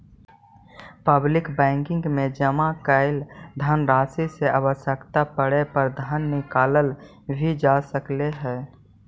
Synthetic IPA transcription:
pəblɪkbɛ̃ːŋkɪ̃ŋɡmẽd͡ʒəmakəɪld̪ʱənɾaːsiseaːʋəʃjəkt̪apəɽepəɾd̪ʱənːɪkaːləl | bʱid͡ʒasəkleɦɛː

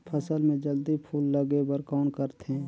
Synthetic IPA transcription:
pʰəsəlmẽd͡ʒəld̪ipʰuːlːəɡebəɾkɔːnkəɾt̪ɦɛ̃ː

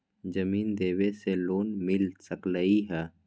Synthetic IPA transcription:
d͡ʒɐmiːnd̪eːweseloːnmɪlsɐkləiɦɛː

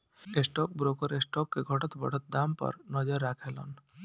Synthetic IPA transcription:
esʈɔk̚bɾokɔɾesʈɔkːeɡʱɔʈɔt̪bʱɔ̰ʈɔt̪̚d̪ampɔ̰ɾnɔd͡ʒɔɾːakʰelɔ̰n

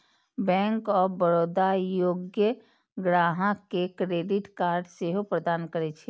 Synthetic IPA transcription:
bɛ̃ːŋkɔːɾbəɾoːd̪ajoːɡjə | ɡɾaːɦãkekɾeːɖɪʈkaːɾɖseɦopɾəd̪aːnkəɾet͡ʃʰe

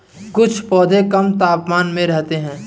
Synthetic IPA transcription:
kʊt͡ʃʰpɔːd̪ʱẽkɐmt̪aːpmaːnmẽɾɛɦt̪eɦɛ̃ː

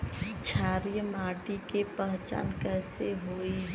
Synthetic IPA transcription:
t͡ʃʰaːɾijəmaːʈikepəɦt͡ʃa̰ːnkɛjseɦoːi

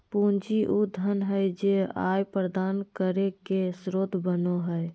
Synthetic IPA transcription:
pund͡ʒiʔud̪ʱənɦəjd͡ʒea̰jpɾəd̪aːnkəɾekesɾoːd̪ʱbənoɦəj

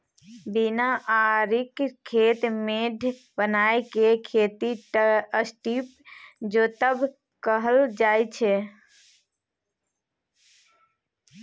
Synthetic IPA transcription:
binaʔaɾikkʰːeːt̪meɖʱbənajkekʰeːt̪iʈəsʈip | d͡ʒot̪əbʱ | kəɦəld͡ʒaːjt͡ʃʰe

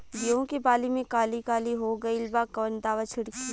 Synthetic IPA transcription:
ɡiõkebaːlimẽkaːlikaːliɦoɡɐilbaːkɔːnd̪aːʋat͡ʃʰɪɽki

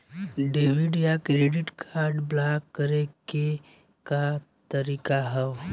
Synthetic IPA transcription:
ɖeːʋɪɖjakɾeːɖɪʈkʰaːɾɖblaːkːəɾeke | ka | t̪əɾiːkaɦɛw

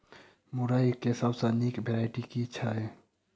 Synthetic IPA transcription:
muɾaːikesabsanikbʱeɾaːɪʈikiɪtːt͡ʃʰaɦɛː

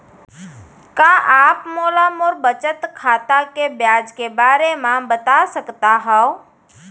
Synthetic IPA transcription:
kãʔaːpmoːlamoɾbət͡ʃət̪kʰaːt̪akebjaːd͡ʒkebaːɾemãbət̪asəkt̪aɦɛo

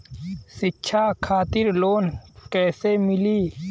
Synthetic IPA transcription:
sitːt͡ʃʰaːkʰaːt̪ɪɾloːnkɛːsemɪliː

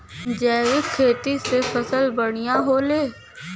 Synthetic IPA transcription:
d͡ʒɛːʋɪkʰːeːt̪isepʰəsəlbəɽ̃ɪjãɦoːleː

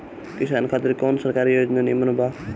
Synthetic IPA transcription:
kisaːnkʰaːt̪iɾkonsəɾkaɾijod͡ʒnanimɐnbʱa

